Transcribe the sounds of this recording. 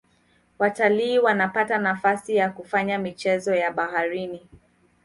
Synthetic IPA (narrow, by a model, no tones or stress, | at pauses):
wataliːwanapatanafasijakufaɲamit͡ʃɛzɔjaɓaɦaɾini